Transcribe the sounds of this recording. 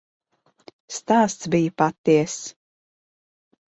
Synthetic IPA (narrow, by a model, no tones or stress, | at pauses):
st̪aːst̪sbijpat̪ːiɛs